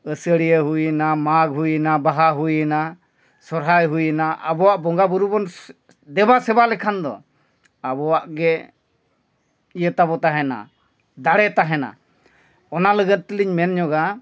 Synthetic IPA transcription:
əsəɽijəɦujənamaɡɦujənabaɦaɦujəna | sɔɾɦajɦujənaʔa̰bɔwaʔbɔŋɡabuɾubɔn | d̪ɛbasɛbalɛkʰand̪ɔ̰ | abɔwaʔɡɛ | ijət̪abɔt̪aɦɛna̰ | d̪aɽɛt̪aɦɛna̰ | ɔnaləɡət̪̚ˀt̪ːəliɲmɛnɲɔɡa

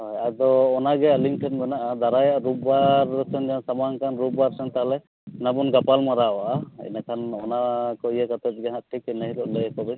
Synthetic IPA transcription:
hɔjad̪ɔːnaɡɛaliŋʈʰɛt̪̚mɛnaʔad̪aɾajaʔɾub̚baɾsɛnd͡ʒasamaŋkʰanɾubwaɾsɛnt̪aalɛ | nabunɡapalmaɾaɔwaʔaɛ̰nakʰanɔnakɔjɛkat̪ɛt̪̚ɡɛɦat̪̚ʈʰikɛnaɦilɔʔlɛkɔbɛ

